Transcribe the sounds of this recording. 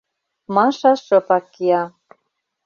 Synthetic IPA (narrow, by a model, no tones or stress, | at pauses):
mɑʃɑʃɤ̆pɑkːiɑ